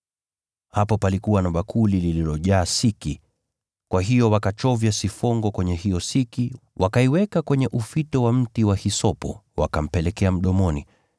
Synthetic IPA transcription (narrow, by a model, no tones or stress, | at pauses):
hapɔpalikuwanaɓakʰulilililɔʄaːsiki | kwaɦijɔwakat͡ʃɔvjasifɔŋɡɔkwɛɲɛhijɔsikiwʔakaiwɛkakwɛɲɛʔufitɔwam̩tiwahisɔpɔ̰wa̰kam̩pɛlɛkɛam̩ɗɔmɔni